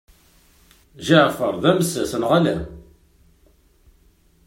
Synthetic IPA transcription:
ʒiʕfəɾˤðæməsæsənʁalæ

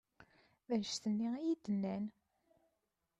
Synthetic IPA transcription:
ðæʃθənːiijid̪ənːæn

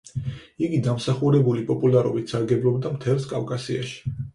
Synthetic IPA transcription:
iɡid̪amsaχuɾɛbulipʼɔpʼulˠaɾɔ̰bit̪ʰsaɾɡɛblˠɔbd̪amt̪ʰɛlˠskʼavkʼasia̰ʃi̥

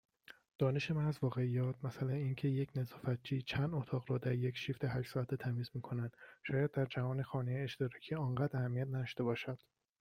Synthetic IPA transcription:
d̪̥ɒːneʃe̞mænæzvɒːɣe̞ijɒːt̪ʰmæsælæniːncʰe̞jecʰnezɒːfæt̪̚t͡ʃʰiːt͡ʃʰænd̪ot̪ʰɒːɣɾɒːd̪æɾje̞cʃiːft̪ʰeɦæʃsɒːæt̪ʰet̪ʰæmiːzmiːkʰo̞nænd̪̥ʃɒːjæd̪̚ːæɾd͡ʒævɒːnexɒːneeeʃt̪eɾɒcʰiɒːŋɢæːd̪æhæmːiæt̪̚ʰnæd̪ɒʃt̪e̞bɒːʃæd̪̥

